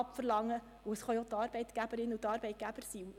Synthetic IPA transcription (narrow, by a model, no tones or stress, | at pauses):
ɑpfərlɑŋːə | uəsχɑjotɑːɾbɛɪt̪ɡ̥æbəɾɪnutɑːɾbɛjt̚ɡ̥æb̥əɾsiu